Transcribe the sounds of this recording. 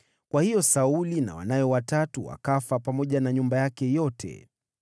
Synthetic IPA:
kwahijɔsaulina̰wa̰najɔwatatuwa̰kafapamɔʄanaɲumbajakɛjɔtʰɛ̰

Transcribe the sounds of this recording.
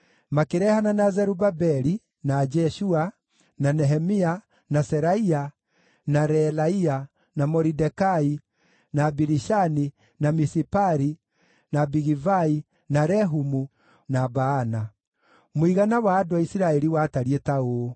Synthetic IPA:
makeɾɛhananazɛɾubabɛɾi | nad͡ʒɛʃua | nanɛɦɛmia | nasɛɾaia | naɾɛlaia | namɔɾidɛkai | nabiɾiʃani | namisipaɾi | nabiɣivai | naɾɛɦumu | nabaːna | moiɣanawaːdwaisiɾaɛɾiwataɾietao

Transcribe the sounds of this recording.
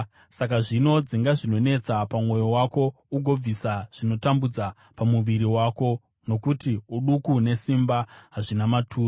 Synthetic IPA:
sak̬aʐino̞d͡ziŋɡaʐino̞ne̞t͡sapamwo̞jowako̞ | uɡʱo̞b͡visaʐ̥ino̞tambud͡za | pamuʋiɾiwaːko̞ | no̞kutiuɗukune̞simbaɦaʐinamatʰuːr

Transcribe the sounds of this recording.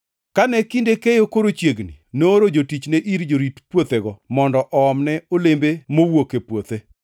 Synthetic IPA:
kanɛkindekejokoɾot͡ʃjeɡnḭnoɾod͡ʒotit͡ʃneʔiɾd͡ʒoɾitpwot̪eɡɔmɔndɔʔɔːmnɛolembemowokepwot̪e

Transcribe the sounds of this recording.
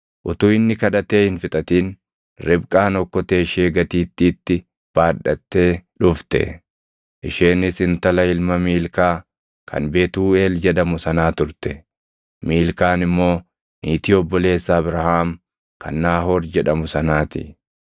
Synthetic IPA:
ʔʊt̪uːɪnːɪkɐᶑɐt̪e̞ːhɪnfɪt̪ʼɐt̪iːn | ɾɪbkʼaːnɔkːɔt̪e̞ːʃeːɡɐt̪iːt̪ːiːt̪ːɪ | b̥aːᶑɐt̪ːe̞ːᶑʊft̪ɛ̰ | ʔɪʃeːnːɪsɪnt̪ɐlɐɪlmɐmiːlkaː | kʰɐ̰nbe̞ːt̪uːe̞ːld͡ʒɛᶑɐmʊsɐnaːt̪ʊɾt̪ɛ | miːlkaːnɪmːo̞ː | niːt̪ɪɔbːɔle̞ːsːaːbɾɐhaːm | kʰɐ̰nːaːhoːɾd͡ʒɛᶑɐmʊsɐnaːt̪ɪ̰

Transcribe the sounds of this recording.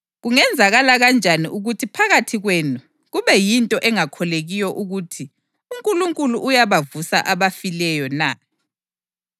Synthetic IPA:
ɣuŋɛnd͡zʱaɣalaɣand͡ʒʱaniʔuɣutʰipʰaɣatʰiɣweːnu | ɣuβɛjintʼɔʔɛŋakʰɔleɣijɔʔuɣutʰi | uŋkʼuluŋkʼuluʔujaβavusa̰ʔaβafilɛjɔna

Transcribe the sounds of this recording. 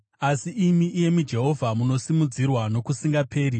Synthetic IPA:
asiimiʔije̞mud͡ʒe̞ɦo̞vʱamuno̞simud͡zirwano̞kusiŋɡapʰe̞ːɾi

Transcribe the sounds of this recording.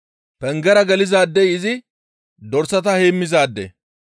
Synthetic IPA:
pɛŋɡɛɾɐɡɐlɪzaːd̪ːɛjɪzɪ | d̪ɔɾsɐt̪ɐheːmːɪzaːd̪ːɛ̰

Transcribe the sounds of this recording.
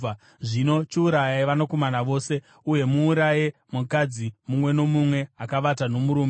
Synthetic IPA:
ʐino̞t͡ʃiuɾajaiʋanokomanaʋo̞ːse̞ | uje̞muːɾajemukad͡zimumwe̞no̞mumwe̞akaʋatano̞muɾuːme

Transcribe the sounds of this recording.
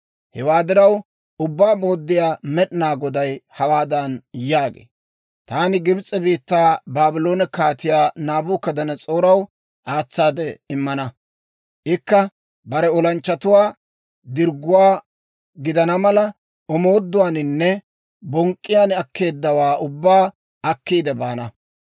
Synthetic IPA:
hɛwaːd̪ɪɾɐw | ʔʊbːaːmoːd̪ːɪjaːmɛɗnaːɡɔd̪ɐjhɐwaːd̪ɐnjaːɡḛː | t̪aːnɪɡɪbt͡sʼːɛbiːt̪ːaːbaːbɪlo̞ːnɛkaːt̪ɪjaːnaːbʊːkːɐd̪ɐnɐt͡sʼoːɾɐw | ʔaːt͡sːaːd̪ɛɪmːɐnɐ | ʔɪkːɐ | bɐɾɛɔlɐnt͡ʃːɐt̪ʊwaː | d̪ɪɾɡʊwaː | ɡɪd̪ɐnɐmɐlɐ | ɔmo̞ːd̪ːʊwaːnɪnːɛ | bɔŋkʼːɪjaːnɐkːe̞ːd̪ːɐwaːʔʊbːaː | ɐkːiːd̪ɛbaːnɐ

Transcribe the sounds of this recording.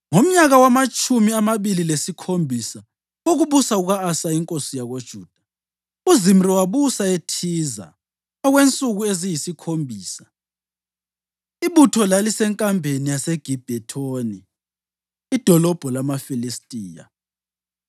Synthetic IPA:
ŋom̩ɲaɣawamat͡ʃʼumiamaβililesikʰombʱisa | oɣuβusauɣaːsaiŋkʼosijaɣod̥ʒ̥ʱuːd̥ʱḁ | uzimriwaβusaetʰiːza̰ | ɔɣwent͡sʼuɣuezijisikʰombʱiːsḁ | iβutʰɔlalisɛŋkʼambʱenijaseɡ̥ʱib̥ʱɛtʰoːniː | d̥ʱɔlɔb̥ʱɔlamafilistʼiːja̰

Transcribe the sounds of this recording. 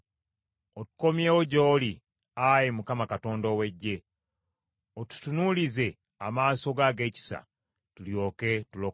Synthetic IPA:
otu̥ko̞mjeːwoɟo̞ːli | ajemukamakato̞ːndowe̞ɟːe̞ | otu̥tunulize̞ | amaːso̞ɡaɡe̞ːci̥sa̰ | tuljo̞ːke̞tulo

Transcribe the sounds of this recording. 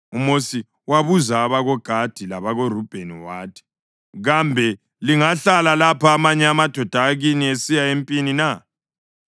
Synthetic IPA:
umosi | waβuzaβaɣɔɡ̥ʱad̥ʱilaβaɣorub̥ʱeniwaːtʰɛ̥ | ɣambʱɛ | liŋaɬalalapʰaːmaɲɛamad̥ʱɔd̥ʱaɣiniesijaempʼinina

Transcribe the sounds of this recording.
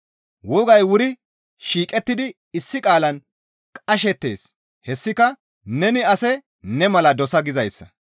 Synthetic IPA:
wɔɡɐjwʊɾɪ | ʃiːkʼɛt̪ːɪd̪ɪ | ɪsːɪkʼaːlɐn | kʼɐʃɛt̪ːe̞̰ːs | hɛsːɪkɐ | nɛnɪɐsɛ | nɛmɐlɐd̪ɔsɐɡɪzɐjsːɐ

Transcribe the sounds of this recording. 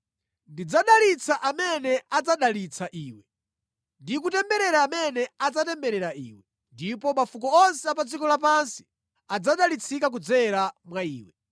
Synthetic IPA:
ndid͡zaɗalit͡sʰaʔamɛnɛad͡zaɗalit͡sʰaʔiːwɛ | ndik̬utɛmbɛɾɛɾaːmɛnɛad͡zatɛmbɛɾɛɾaḭːwɛ | ndipɔmafukɔɔnsɛap̬ad͡zikɔlapansi̥ | ad͡zaɗalit͡sʰikak̬ud͡zɛɾamwaiːwɛ

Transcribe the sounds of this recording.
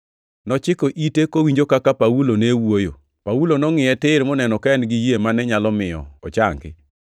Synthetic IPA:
nɔt͡ʃɪkoʔitekowiɲd͡ʒokakapawulonewojo̰ | pawulonɔŋɪɛtɪɾmɔnɛnɔkaɛnɡɪjemanɛɲalɔmɪjɔ̰ɔ̰t͡ʃaŋɡɪ̰

